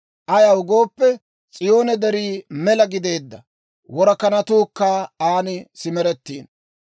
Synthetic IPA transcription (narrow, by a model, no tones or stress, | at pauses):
ʔɐjɐwʊɡo̞ːpːɛ | t͡sʼɪjo̞ːnɛd̪ɛɾiːmɛlɐɡɪd̪e̞ːd̪ːɐ̰ | wɔɾɐkɐnɐt̪uːkːaːaːnɪsɪmɛɾɛt̪ːiːn